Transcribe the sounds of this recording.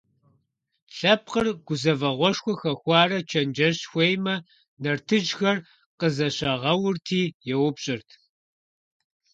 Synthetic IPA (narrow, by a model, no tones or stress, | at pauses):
ɬɐp̚ʰqərɡ̥ʷʊzɐvɐʁʷɔʂxʷɔxɐxʷɑːrɐt͡ʃʰɐnd͡ʒɐɕxʷejmɐ | nɐrtʰɨʒxɐr | qəzɐɕɐʁɐwʊrtʰiːjɛwʊpɕʼɪrtʰ